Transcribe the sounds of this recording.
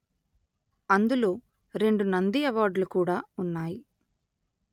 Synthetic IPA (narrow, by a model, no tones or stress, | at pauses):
ɐnd̪ulo̞ː | ɾe̞ɳɖunɐnd̪iɛʋaːɾɖlukuːɽaːunːaːji